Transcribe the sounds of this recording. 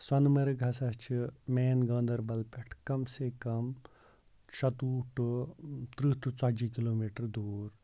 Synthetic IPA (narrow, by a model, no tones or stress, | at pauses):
swɐnmɐɾɡʱɐsɐst͡ʃʰimeːnɡɐ̃ːnd̪ɐɾbɐlpʲeʈʰkɐmsekɐm | ʃɐt̪uːʈ | t̪ɾiːʈut͡saːd͡ʒikiloːmiːʈɐɾd̪uːɾ